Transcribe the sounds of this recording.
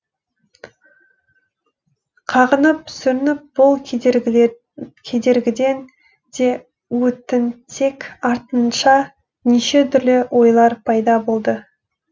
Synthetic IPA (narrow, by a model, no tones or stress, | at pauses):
qʰɑʁənəp̚sʏɾɪnɪp̚b̥ʊlˠ | kʲʰe̞d̪e̞ɾɡʲɪd̪e̞n | d̪e̞ | wɵt̪ɪnt̪ʰe̞kʲɑɾt̪ənʃɑ | niʃe̞t̪ʰʏɾlɪwʔo̞jlˠɑɾpʰɑjd̪ɑbo̞lˠd̪ə